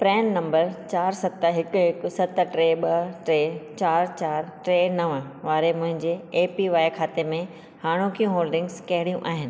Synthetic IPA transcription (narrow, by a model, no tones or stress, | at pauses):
pɾɛːnːɐ̃mbəɾt͡ɕaːɾsɐt̪ɦɪkʊɦɪksɐt̪əʈɾeːɓɐʈɾeːt͡ɕaːɾt͡ɕaːɾʈɾeːnɐʋə̃ʋaːɾemʊ̃ɦɪ̃ɲd͡ʑeːpiʋaːjkʰaːt̪emẽ | haːɽ̃õkijũɦoːlɖɪ̃ŋɡzkɐɦɪɽijũʔaːɦɪnɪ̆